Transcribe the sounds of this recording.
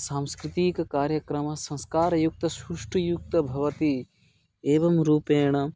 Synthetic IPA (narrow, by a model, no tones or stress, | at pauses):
saːmskɾɪt̪ikɐkaːɾjɐkɾɐmɐsɐ̃nskaːɾɐjuk̚t̪ɐsuʂʈɐjuk̚t̪ɐbʱɐʋɐt̪i | eːʋɐmɾuːpeːɳ̃ɐ